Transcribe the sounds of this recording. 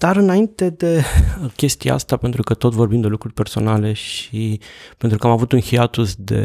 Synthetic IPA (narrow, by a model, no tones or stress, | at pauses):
d̪̥aɾɨnaint̪e̞d̪e̞kʲe̞st̪ija̰a̰st̪ape̞nt̪ɾukət̪o̞t̪vo̞rbimd̪e̞lukɾurʲpe̞rso̞̰nale̞ʃipe̞nt̪ɾukəamavut̪unhiat̪usd̪e̞̰